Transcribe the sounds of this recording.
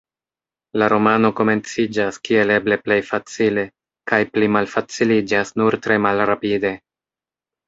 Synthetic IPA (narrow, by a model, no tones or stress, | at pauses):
laɾo̞mano̞ko̞me̞nt͡sid͡ʒaskie̞le̞ble̞ple̞jfat͡sile̞ | kajplimalfat͡silid͡ʒasnuɾtɾe̞malɾapide̞